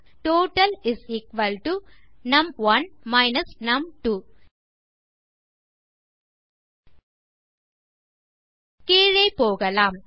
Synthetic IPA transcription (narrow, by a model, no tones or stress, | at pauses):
ʈoːʈɐlɪsiːkʋɐlʈunɐmʋɐnmaɪnɐsnɐmʈuː | kiːɻɐɪpoːɣɐlaːm